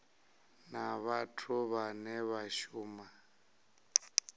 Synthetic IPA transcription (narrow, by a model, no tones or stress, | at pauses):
naβatʰuβanɛβaʃuːma